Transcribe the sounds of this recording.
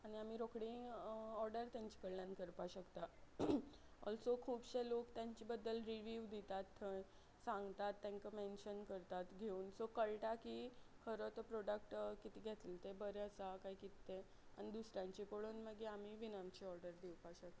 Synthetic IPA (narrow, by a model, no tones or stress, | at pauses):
aɽ̃iamiːɾokɽĩɔɾɖəɾt̪jãɲt͡ɕi̥kəɭljãnkəɾpaɕəkt̪a | ɔ̰lsokʰuːbɕelokt̪jaɲt͡ɕibəd̪ːəlɾiʋiʋd̪it̪at̪ʰːə | sãŋɡt̪at̪ːãŋkəmenɕənkəɾt̪at̪ɡʱeuːnsokəɭʈakiːkʰəɾot̪əpɾoɖək̚ʈkit̪iːɡʱet̪ilt̪ebəɾeəsakaɦikit̪ːe | a̰ñid̪usɾjãɲt͡ɕipoɽuːnməɡeamiːʋinamt͡ɕiɔɾɖəɾd̪iwpaɕək̚t̪a